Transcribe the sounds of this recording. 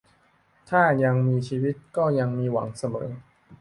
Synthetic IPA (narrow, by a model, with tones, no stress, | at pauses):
t̪ʰaː˥˩ja˧ŋmiː˧t͡ɕʰiː˧wi˦˥t̪̚kɔː˥˩ja˧ŋmiː˧wa̰˩˦ŋsa˧mɤ̰ː˩˦